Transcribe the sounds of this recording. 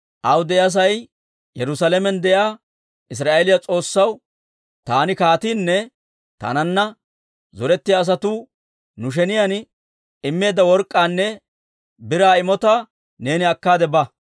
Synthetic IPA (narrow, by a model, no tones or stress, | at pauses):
ʔɐwd̪ɛɐs̬ɐj | jɛɾʊsɐlɛmɛnd̪ɛjaː | ɪs̬ɾaːʔɛlɪjɐt͡sʼo̞ːsːɐw | t̪aːnɪkaːt̪iːnːɛ | t̪ɐ̰nɐnːɐ | zɔɾɛt̪ːɪjaːs̬ɐt̪uː | nʊʃ̬ɛnɪjɐn | ɪmːe̞ːd̪ɐwɔɾkʼːaːnːɛ | bɪɾaːɪmɔt̪a | ne̞ːnɪɐkːaːd̪ɛbɐ